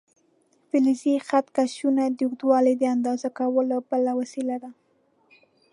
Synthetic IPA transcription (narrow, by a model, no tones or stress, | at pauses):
fɪlizixat̪kaʃunad̪uɣd̪wɑlid̪əand̪ɑzakawəlobəlawasilad̪a